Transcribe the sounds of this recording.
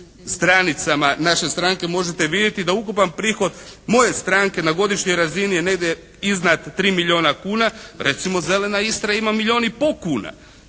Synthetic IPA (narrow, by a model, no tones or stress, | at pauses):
st̪ɾanit̪samanaʃe̞st̪ɾaŋke̞mo̞ʒet̪e̞ʋid̪jet̪id̪aukupanpɾiːxo̞d̪mo̞je̞st̪ɾaŋke̞naɡo̞d̪iʃɲo̞jɾazinijene̞ɡd̪je | iznat̪ːɾiːmiʎʲio̞ːnakuːnaɾe̞t̪simo̞ze̞le̞naist̪ɾajaimamilʎʲio̞ːnipo̞kuːna̰